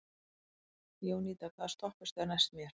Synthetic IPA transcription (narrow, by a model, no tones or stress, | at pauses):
joːwniːt̪akʰvaðst̪ɔhpʏst̪aɾnajst̪mjɛɾ̥